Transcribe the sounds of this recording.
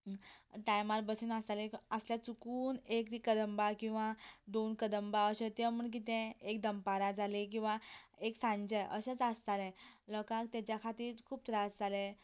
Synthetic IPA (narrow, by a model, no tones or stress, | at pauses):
ʈajmaɾbəsinasalẽəsljat͡sukuːnekt̪ikəd̪əmbakĩw̃ʋad̪onkəd̪əmbaəɕə̃t̪jə̃m̤əɳk̬it̪̬ɛ̃ekd̪əmpaɾad͡zalek̬ĩw̃ʋaeksãɲd͡ʑəʔəɕãt͡sast̪alɛ̃ləkak̚t̪at͡ɕjakʰat̪iːɾkʰuːb̚t̪ɾad͡zd͡zalɛ̃